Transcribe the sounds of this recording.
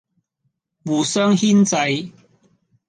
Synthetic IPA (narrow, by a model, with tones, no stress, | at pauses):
wuː˨˩sœː˥ŋhi˥nt͡sa˧j